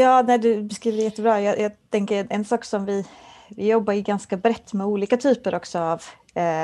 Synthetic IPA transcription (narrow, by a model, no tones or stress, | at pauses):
jɑːnæɪd̪ɵbɛskɾiːvəɾɛjɛt̪ːəbɾɑːjɑjɑːt̪ʰɛŋkəɾɛnʔɛnsɑːksɔmvɪ | vɪjɔbːaɾɪɡanskabɾɛt̪ːmɛuːliːkat̪ʰyːpəɾʔɔksɔav